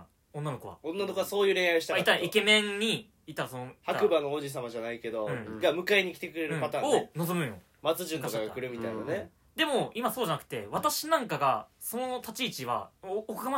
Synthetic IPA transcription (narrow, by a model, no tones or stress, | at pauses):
õnːano̞koβa̰õnːanokoaso̞ːjɯ̟ːɾeɰ̃aiɕi̥t̪aait̪ːaɾikemẽ̞ɲɲ̟iː | t̪ːaɾasonoihaakɯ̟banoːd͡ʑis̬amaʑanaike̞d̪o̞ɯ̃ɡamɯ̟kaeɲ̟ikʲi̥t̪e̞kɯ̟ɾe̞ɾɯ̃pat̪ãːnonozomɯ̟̃jo̰ | mat͡sɨʑɨ̃nk̪okaɡakɯ̟ɾɯ̟mʲit̪ainane | d̪e̞mo̞imaso̞ːd͡ʑanakɯ̟̥t̪e̞β̞at̪aɕinãŋkaɡa̰so̞not̪at͡ɕiːt͡ɕiβa̰ːkɯɡama